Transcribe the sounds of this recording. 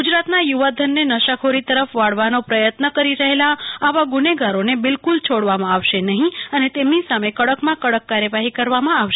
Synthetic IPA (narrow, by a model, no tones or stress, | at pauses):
ɡud͡ʒɾat̪najuʋad̪ʱənːenəʃakʰoɾit̪əɾəfʋaɽʋanopɾəjət̪nəkəɾiɾəɦelaaʋaɡʊneɡaɾonebɪlkult͡ʃʰoɽʋamãaʋʃenəɦĩənet̪emnisamekəɽəkmãkəɽəkːaɾjəʋaɦikəɾʋamãaʋʃe